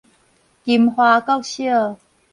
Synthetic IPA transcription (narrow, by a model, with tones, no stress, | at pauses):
ki˨mhwaː˧˩kɔ˥˨wɕi˥ə˨